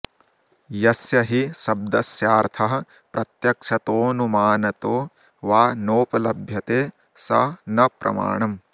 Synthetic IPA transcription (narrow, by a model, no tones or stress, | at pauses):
jɐsjɐɦisɐb̚d̪ɐsjaːɾt̪ʰɐɦɐ̆ | pɾɐt̪jɐkʂɐt̪oːnumaːnɐt̪oː | ʋaːnoːpɐlɐbʱjɐt̪eː | sɐnɐpɾɐ̰ma̰ːɳɐm